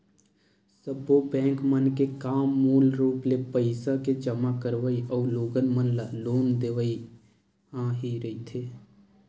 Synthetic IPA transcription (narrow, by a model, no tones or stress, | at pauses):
səbobɛ̃ːŋkmənkekaːmːuːlɾuːplepəɪsaked͡ʒəmakəɾʋəiʔɔːɾloːɡənmənlaloːnd̪eːʋəi | hãɦiɾəit̪ʰeː